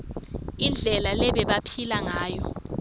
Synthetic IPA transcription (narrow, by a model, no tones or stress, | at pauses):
ind͡ɮʱɛlalɛɓɛɓapʰilaŋaːjɔ̰